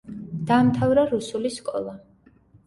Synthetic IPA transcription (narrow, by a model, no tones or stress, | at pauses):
d̪̥aːmt̪ʰavɾaɾusuliskʼɔ̰lˠa